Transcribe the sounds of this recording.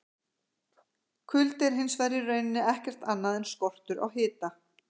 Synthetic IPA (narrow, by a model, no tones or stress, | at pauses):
kʰʏlt̪ɛɾ̥ɦɪnsvɛɾjɪrœɥnɪnːɪɛhcɛr̥t̪anːaðɛnskɔr̥t̪ʏɾʔa̰whɪːt̪a